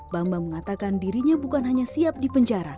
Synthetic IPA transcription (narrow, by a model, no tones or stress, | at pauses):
bambaŋməŋat̪akandiɾiɲabukanɦaɲasiap̚dipəɲd͡ʒaɾa